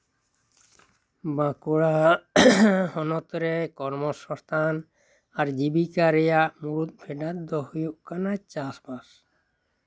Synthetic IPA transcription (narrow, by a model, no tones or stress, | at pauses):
bãkuɽa | hɔnɔt̪ɔɾɛkɔɾmɔsɔ̃st̪ʰan | aɾd͡ʑibikaɾɛjaʔmuɾut̪̚bʰʱɛɖat̪̚d̪ɔhujuʔkanat͡ʃasbas